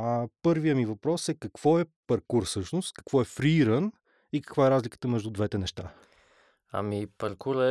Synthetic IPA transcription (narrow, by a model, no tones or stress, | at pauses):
ɐpɤɾvijəmivɐpɾɔsɛkɐkv̥ɔɛpɐɾkuɾsɤʃnʊst̪kɐ̥kvɔɛfɾiɾən | ikə̥kvaɛɾazlʲikə̥t̪əmɛʒd̪ud̪vɛt̪ɛnɛʃt̪a̰ | ɐ̰mipɐɾkuɾɛ